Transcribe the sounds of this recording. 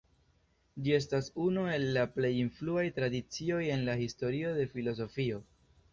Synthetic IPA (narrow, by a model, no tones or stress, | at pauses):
d͡ʒie̞s̬tasunue̞lːaple̞jinfluajtɾadit͡sio̞je̞nlahisto̞ɾio̞de̞filo̞s̬o̞fio̞